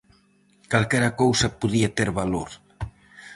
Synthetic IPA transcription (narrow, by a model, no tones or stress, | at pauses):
kalkɛɾakowsɐpuðiat̪eɾβaloɾ